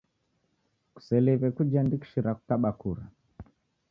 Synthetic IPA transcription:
ku̥sɛlɛβɛkud͡ʒandiki̥ʃiɾaku̥kaɓakuɾa̰

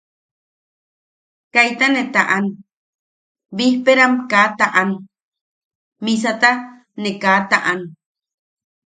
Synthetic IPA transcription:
kajt̪anet̪aʔan | bihpeɾamkaːt̪aʔan | mis̬at̪a | nekaːt̪aʔan

